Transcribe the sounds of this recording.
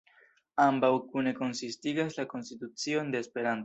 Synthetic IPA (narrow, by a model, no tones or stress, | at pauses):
ambawkune̞ko̞nsist̪iɣazlako̞nst̪it̪ut͡sjo̞nd̪eːspe̞ɾana